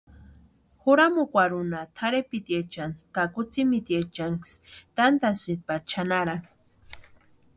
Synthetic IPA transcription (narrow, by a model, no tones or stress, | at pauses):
xʊɾamukʷaɾʊnat̪ʰaɾepit̪jet͡ʃankakʊt͡simit̪jet͡ʃaŋkst̪ant̪asipaɾt͡ʃʰanaɾan